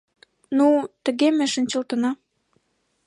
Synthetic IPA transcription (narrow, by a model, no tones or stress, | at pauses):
nut̪ə̆ɣemeʃə̆nʲt͡ɕə̆lt̪ənɑ